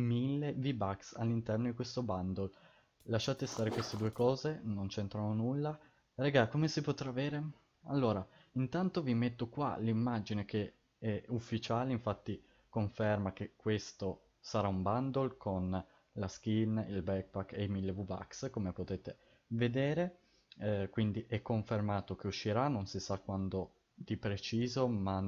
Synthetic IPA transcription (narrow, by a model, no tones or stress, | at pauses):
milːevibaksa̰lːint̪ɛrnod̪ikwest̪oband̪ol | laʃːaːt̪est̪aːɾekwest̪ed̪uːekɔːzenont͡ʃent̪ɾanonulːa | reɡakomesipot̪ɾaːveːɾe | a̰lːoːɾaint̪ant̪ovimet̪ːokwa̰limːad͡ʒinek̟e | ɛufːit͡ʃaːleiɱfat̪ːi | koɱfermakekːwest̪o | saɾaumband̪olkʰon | lask̟inilbɛk̚bakeimilːevuva̰kskomepot̪eːt̪e | ved̪eːɾe | kwind̪iʔɛkːoɱfermaːt̪ok̟euʃːiɾanːonsisakwand̪o | d̪ipɾet͡ʃiːzoma